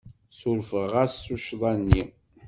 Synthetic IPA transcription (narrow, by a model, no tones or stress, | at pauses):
sʊɾfəʁasːuʃðˤɑnːi